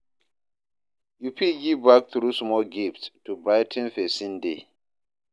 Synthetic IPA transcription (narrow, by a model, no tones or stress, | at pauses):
jupʰiɡibak̚θɹusmɔlɡiftstubaɪtʰə̃nfɛsĩnde